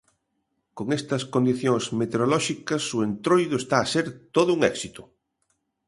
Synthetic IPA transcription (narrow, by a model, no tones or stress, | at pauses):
koŋest̪ɐskond̪iθjoŋsmet̪eɾolɔʃikɐsʊent̪ɾojðʊest̪aːseɾt̪oðʊuŋɛksit̪ʊ̥